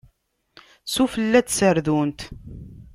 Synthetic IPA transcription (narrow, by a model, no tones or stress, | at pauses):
sufəlːæt͡ssəɾðunt̪